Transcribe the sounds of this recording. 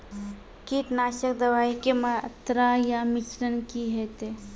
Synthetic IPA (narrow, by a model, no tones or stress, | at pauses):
kiːʈnaːʃəkd̪əʋaːikemaə̰t̪ɾajamɪt͡ʃɾənkiɦɛt̪e